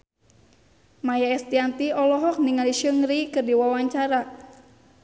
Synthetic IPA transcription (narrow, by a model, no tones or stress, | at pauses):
majaɛst̪iant̪iɔlɔɦɔk̚niŋaliʃəŋɾikɨrdiwawaɲt͡ʃaɾa